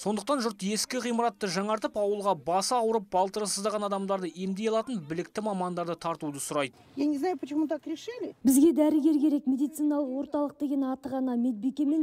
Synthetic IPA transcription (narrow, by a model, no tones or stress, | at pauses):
so̞nd̪əq̚t̪ɑnʒʊɾt̪je̞skʲɪqʰijməɾɑt̪ːəʒɑɴɑɾt̪əpɑwəlˠʁɑbɑsəɑwəɾəp̚bɑlˠt̪əɾəsəzd̪ɑʁɑnɑd̪ɑmd̪ɑɾd̪əemd̪e̞jɑlˠɑt̪ənbɪlɪkt̪ɪmɑmɑnd̪ɑɾd̪ət̪ʰɑɾt̪ud̪əsʊɾɑjd̪ə | jenʲeznɑjpʰət͡ʃɪmət̪ɑkʲʰɾeʃelʲebɪzɡʲe̞d̪æɾɪɡʲe̞ɾkʲe̞ɾe̞kmʲe̞d̪ijt̪sɨjnɑlˠəqwo̞ɾt̪ɑlˠəq̚d̪e̞ɡʲe̞nɑt̪əʁɑnɑme̞t̪̚bekʲe̞me̞n